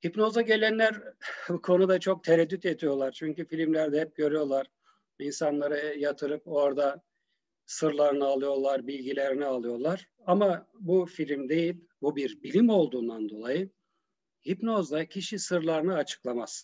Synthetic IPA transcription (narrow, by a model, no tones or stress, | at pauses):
hipno̞zaɟe̞lʲænlʲæɾkʰo̞nud̪at͡ʃʰo̞k̚t̪ʰeɾɛd̪ːyt̪et̪ʰijo̞lˠaɾt͡ʃʰyɲcyfilʲimlʲæɾd̪ɛɦɛp̚ɟø̞ɾyjo̞lˠaɾ̥ | insanlˠaɾɯjat̪ʰɯɾɯpo̞ɾd̪a | sɯɾlˠaɾɯnɯalˠɯjo̞lˠaɾbilʲɟilʲeɾinialˠɯjo̞lˠaɾ̥ | amabufilʲimd̪e̞jilʲ | bubiɾbilʲimo̞lˠd̪uːnd̪and̪o̞lˠajɯ | hipno̞zd̪acʰiʃisɯɾlˠaɾɯnɯat͡ʃʰɯ̥klˠamaz̥